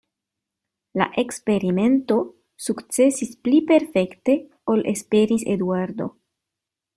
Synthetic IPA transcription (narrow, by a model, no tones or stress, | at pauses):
la̰ʔe̞kspe̞ɾime̞nto̞ | sukt͡se̞sisplipe̞ɾfe̞kte̞ | o̞lʔe̞spe̞ɾisḛd̪uaɾd̪o̞̰